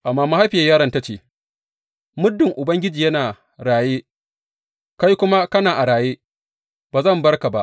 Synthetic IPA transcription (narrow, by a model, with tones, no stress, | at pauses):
ʔa˨mːaː˦ma˦ha˦jɸɪ˨jaː˦jaː˦ɾɐ˦nta˦t͡ʃeː˦˨ | mʊ˦dːɪ˨ŋʔʊ˨bɐ˦ŋɡʲɪ˦d͡ʒiː˨jɐ˦naː˨ | ɽaː˨jeː˦ | ka˦jkʷʊ˦ma˦kɐ˦naː˨ʔa˨ɽaː˨jeː˦ | b̥aː˨zɐ˦˨mbɐ˦rka˨ba˦ʔ